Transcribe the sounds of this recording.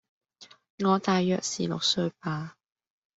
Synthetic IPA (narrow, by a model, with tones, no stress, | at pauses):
ŋɔː˨˧t̪aː˨jːœː˨k̚sḭː˨˩lʊ̰˨k̚sɵ˧ɥpaː˧